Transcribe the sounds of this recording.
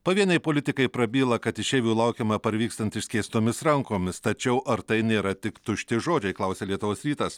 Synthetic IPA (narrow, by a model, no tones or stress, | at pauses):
pɐʋʲiɛnʲɐɪpoːlʲɪt̪ʲɪkɐɪpɾɐbʲiːlˠɐkɐt̪ɪʃʲeːʋʲuːlˠɐʊkʲeːmɐpɐɾʲʋʲiːkst̪ɐnʲt̪ʲɪʃʲsʲkʲeːsʲt̪oːmʲɪsɾɐŋkoːmʲɪst̪ɐt͡ʃʲɛʊʔɐɾt̪ɐɪnʲeːɾɐt̪ʲɪkt̪ʊʃʲt̪ʲɪʒoːd͡ʒʲɛɪklˠɐʊsʲeːlʲiɛt̪ʊʋoːsɾʲiːt̪ɐs